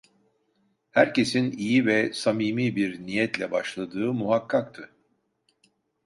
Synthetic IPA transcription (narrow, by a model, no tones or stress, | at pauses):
hæɾce̞sinijivɛsamiːmiːbiɾnijɛt̪lʲɛbaʃlˠad̪ɯːmuɦakːak̚t̪ʰɯ